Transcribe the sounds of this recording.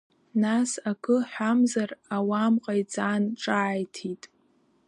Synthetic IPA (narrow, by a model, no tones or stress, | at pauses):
nasakʰɨħʷamzarawamqʼajt͡sʼanʈ͡ʂʼaːjtʰitʼ